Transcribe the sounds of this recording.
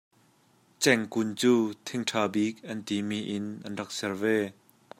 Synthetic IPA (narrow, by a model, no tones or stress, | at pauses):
t͡sɛŋkunt͡suːt̪ʰiŋʈʰaːbik̚ʔɐnt̪imiːʔɪnʔɐnrɐk̚sɛrvɛ